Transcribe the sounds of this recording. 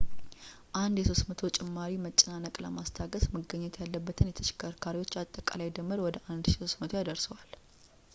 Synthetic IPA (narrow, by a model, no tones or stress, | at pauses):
ʔand̪jɛso̞st̪mət̪ʰo̞t͡ʃʼɪmːaɾimət͡ʃʼɪnanəkʼlə̰mast̪ʰaɡəsmɨɡəɲːɛt̪ʰjalːəbːət̪ʰɨnjɛt̪ʰə̥t͡ʃɪ̥kʰːəɾkʰaɾiwo̞t͡ʃːat̪ʼːəkʼa̰lajd̪əmːɨɾwɔd̪əʔand̪ʃiso̞smət̪ʰojad̪əɾsəwal